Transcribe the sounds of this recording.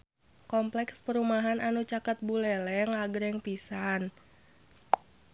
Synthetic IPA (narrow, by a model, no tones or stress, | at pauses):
kɔmplɛkspəɾumaɦanʔanut͡ʃakat̪̚bulɛlɛŋaɡɾɛŋpisan